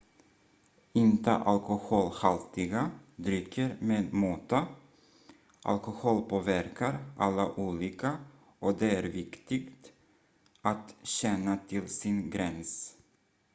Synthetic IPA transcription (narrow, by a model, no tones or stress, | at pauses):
ɪnt̪ə̰ʔalkʊhoːlhalt̪ɪɡad̪ɾʏkʰːəɾmeːd̪moːt̪a | ʔa̰lkʊhoːlpʰoːvæɾkʰaɾʔalːaʔuːliːka | ʔɔd̪ɛæɾvɪkt̪ɪɡt̪ | at̪ɕɛnːat̪ʰɪlsɪnɡɾɛns